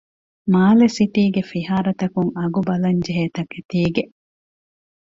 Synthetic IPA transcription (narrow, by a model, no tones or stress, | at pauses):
maːlesit̪iːɡefiɦaːɾɐt̪ɐkuŋɐɡubɐlɐɲd͡ʒeɦeːt̪ɐket̪iːɡe